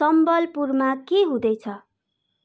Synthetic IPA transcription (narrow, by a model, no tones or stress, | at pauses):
sʌmbʌlpurmakeɦũd̪ʌjt͡sʰʌ